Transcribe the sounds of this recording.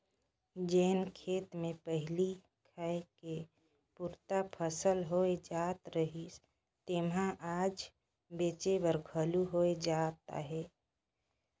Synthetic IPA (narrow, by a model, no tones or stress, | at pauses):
d͡ʒeːnkʰeːt̪mẽpəɦɪli | kʰəke | puɾt̪apʰəsəlɦoed͡ʒaːt̪ɾəɦi | t̪emɦãʔaːd͡ʒ | beːt͡ʃebəɾɡʱəluɦoed͡ʒaːt̪a̰ɦɛː